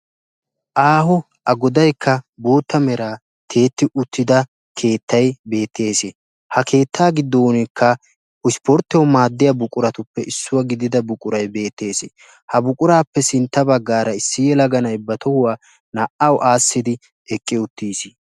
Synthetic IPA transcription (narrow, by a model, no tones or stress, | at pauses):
ʔaːɦɔ | ʔɐɡɔd̪ɐjkʰːɐbo̞ːt̪ːɐmɛɾaː | t̪ʰe̞ːt̪ːɪʔʊt̪ːɪd̪ɐ | kʰe̞ːt̪ːɐjbe̞ːt̪ʰːe̞ːse | hɐkʰe̞ːt̪ːaːɡɪd̪ːoːnɪkːɐ | ʊspɔɾt̪ːɪɔmaːd̪ːɪjɐbʊkʼʊɾɐt̪ʊpːɛɪsːʊwɐɡɪd̪ɪd̪ɐbʊkʼʊɾɐjbe̞ːt̪ːe̞ːse | hɐbʊkʼʊɾaːpːɛsɪnt̪ːɐbɐɡːaːɾɐɪsːɪjɛlɐɡɐnɐjbɐt̪ɔhʊwaː | nɐʔɐwʔaːsːɪd̪ɪ | ɛkʼːɪʊt̪ːiːsɪ̥